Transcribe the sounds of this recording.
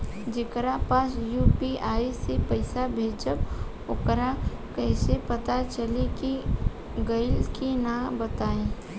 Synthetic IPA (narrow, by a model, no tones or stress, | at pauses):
d͡ʒɪkɾapaːsjuːpiaːisepəɪsabʱeːd͡ʒəb | ʊkɾa | kɛɪsepət̪at͡ʃəleki | ɡəɪlkinabət̪aːẽː